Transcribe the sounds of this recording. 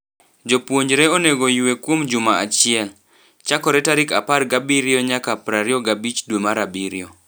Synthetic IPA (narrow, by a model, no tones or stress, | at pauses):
d͡ʒopwoɲd͡ʒɾeoneɡojwekwomd͡ʒʊmaat͡ʃɪɛl | t͡ʃakɔɾɛtaɾikaparɡabiɾioɲakapɾaɾɪɔɡabit͡ʃdwemaɾabiɾɪo